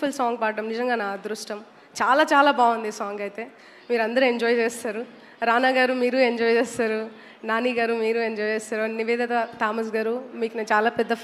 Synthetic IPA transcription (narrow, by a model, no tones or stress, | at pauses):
fʰulsaːŋɡpaːɖɐmnizɐŋɡaːnaːd̪ɾuʂʈɐm | t͡ʃaːlaːt͡ʃaːlaːbaːʋund̪isaːŋɡɐjt̪e̞ː | miːɾɐnd̪ɐɾue̞ɲd͡ʒɔːjt͡ʃeːst̪aːɾu | ɾaːnaːɡaːɾumiːɾue̞ɲd͡ʒɔːjt͡ʃɛːst̪aːɾu | naːniːɡaːɾumiːɾueɲd͡ʒɔːjt͡ʃeːst̪aːɾuniʋɛːd̪ɐt̪ɐt̪aːmɐs̬ɡaːɾumiːkunɐt͡ʃaːlaːpɛd̪ːɐ